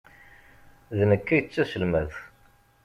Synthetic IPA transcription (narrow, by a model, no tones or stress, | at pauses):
ðnəkːæjət͡sːæsəlmæð